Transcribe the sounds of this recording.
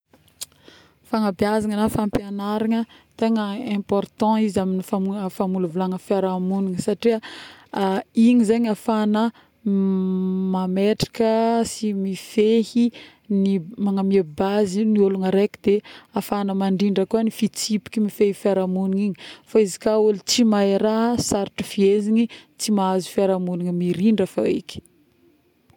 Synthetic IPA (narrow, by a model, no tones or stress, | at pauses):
faŋabiazaŋənafãmpjanaɾaŋət̪eŋəɛ̃pɔrt̪ɑ̃izaminifamufamulavulaŋəfjaɾamuniŋəsaʈ͡ʂiə | iɲizeɲafanə | mameʈ͡ʂḁkəsimifehi | nimaŋamiebazinioluŋəɾekid̪eafanəmaɳɖ͡ʐiɳɖ͡ʐəkuanifit͡sipi̥kʲimifehifiaɾamuniŋiɲifaizi̥kaulit͡simaeɾaɦsaɾiʈ͡ʂi̥fieziɲit͡simaazu̥fiaɾamuniŋimiɾiɳɖ͡ʐəfa̰ḭkʲi̥